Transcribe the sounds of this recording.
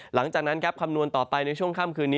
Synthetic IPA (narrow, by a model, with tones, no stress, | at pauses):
la˩˦ŋt͡ɕaː˨˩k̚na˦˥nkʰa˦˥p̚kʰa˧mnu˧ənt̪ɔː˨˩pa˧jna˧jt͡ɕʰu˥˩əŋkʰaː˥˩mkʰɯː˧nːiː˦˥